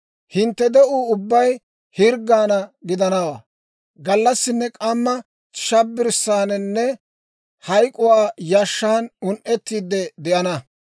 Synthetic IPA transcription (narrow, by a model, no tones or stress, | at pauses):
hɪnt̪ːɛd̪ɛʔuːʊbːɐj | hɪɾɡːaːnɐɡɪd̪ɐnɐwa̰ː | ɡɐlːɐsːɪnːɛkʼɐmːɐ | ʃɐbːɪɾsːaːnɛnːɛ | hɐjkʼʊwaːjɐʃːaːnʊnʔɛt̪ːiːd̪ɛd̪ɛʔɐnɐ